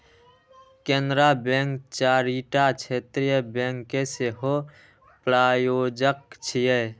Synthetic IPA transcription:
kẽnd̪ɾabẽːŋkt͡ʃaːɾiʈat͡ʃʰeːt̪ɾijəbẽːŋkːeseɦo | pɾaːjoːd͡ʒək̚t͡ʃʰijə

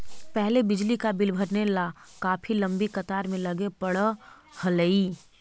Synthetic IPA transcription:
pɛɦlebɪd͡ʒlikabɪlbʱəɾnelakaːpʰilɐ̃mbikɐt̪aːɾmẽlɐɡepəɽə | hɐləi

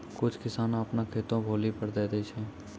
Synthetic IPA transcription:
kʊt͡ʃʰkɪsaːnõɐpnakʰeːt̪õbʱoːlipəɾd̪eːd̪et͡ʃʰɛ̃ː

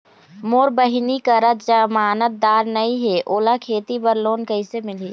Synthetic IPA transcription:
moːɾbəɦinikəɾət̪̚d͡ʒəmaːnət̪̚d̪aːɾnəĩɦeʔoːlakʰeːt̪ipəɾloːnkəɪsemɪli

